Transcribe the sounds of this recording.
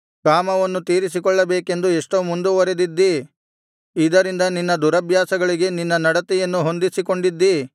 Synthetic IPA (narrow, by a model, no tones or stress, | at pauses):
kaːmɐʋɐnːut̪iːɾis̬ikɔɭːɐbeːke̞nd̪ueʂʈomund̪uʋɐɾed̪id̪ːiː | d̪ɐɾind̪ɐninːɐd̪uɾɐbʱjaːsɐɡɐɭiɡe̞ninːɐnɐɽɐt̪ɛjɐnːuɦo̞nd̪isiko̞ɳɖid̪ːi